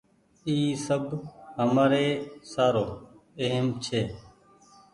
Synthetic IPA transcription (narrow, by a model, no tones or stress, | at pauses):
iːsəbhəmaːɾeːsaːɾoːeɦəmt͡ʃʰeː